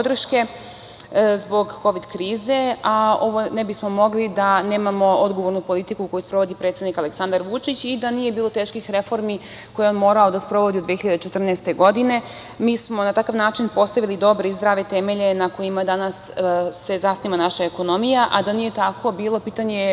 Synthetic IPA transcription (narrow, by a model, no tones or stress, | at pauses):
pod̪r̩ʃke̞ | zbo̞ɡːo̞ʋid̪kɾiːze̞ao̞ʋo̞nebismo̞mo̞ɡlid̪aneːmamo̞o̞d̪ɡo̞ʋo̞ɾnupo̞lit̪ikuko̞juspɾo̞ʋo̞d̪ipɾet̪sed̪nikale̞ksand̪aɾʋut͡ʃit͡ɕid̪anijebiːlˠo̞t̪e̞ːʃkixɾefo̞ɾmi | ko̞jeonmo̞ːɾaod̪aspɾo̞ʋo̞d̪iod̪ʋexiʎad̪t͡ʃet̪r̩nɛːst̪e̞ɡo̞d̪ine̞ | miːsmo̞nat̪akaʋnaːt͡ʃinpo̞st̪aʋilid̪o̞bɾeizd̪ɾaʋet̪emeʎe̞nako̞imad̪anasːe̞zasniʋanaʃaeko̞no̞mijaʔad̪anije̞t̪ako̞biːlˠo̞piːt̪aɲe